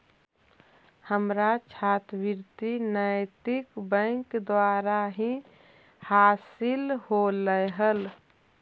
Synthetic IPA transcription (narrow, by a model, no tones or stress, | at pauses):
həmɾat͡ʃʰat̪biɾt̪inəjt̪ɪkbə̃ŋkd̪waːɾaɦĩ | haːsɪlholəjɦəl